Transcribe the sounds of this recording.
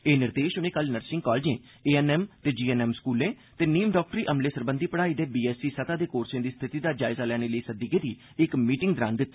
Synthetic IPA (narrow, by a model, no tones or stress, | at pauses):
eːnɪɾd̪eːʃʊnẽːkəlnəɾsɪ̃ŋkɔːld͡ʒẽː | eːɛnɛːmt̪eːd͡ʒiːɛːnɛːmskuːlẽː | t̪eːniːmɖɔːk̚ʈəɾiːʔəmleːsəɾbənd̪ʱiːpəɽaːiːd̪eːbiːɛːsiːsət̪aːd̪eːkoːɾsẽːd̪iːst̪ʰɪt̪iːd̪aːd͡ʒaːɪzaːlɛːɽ̃eːləiːsəd̪iːkẽːd̪iː | ɪkmiːʈɪ̃ŋɡd̪ɾa̰ːnd̪ɪt̪ːeː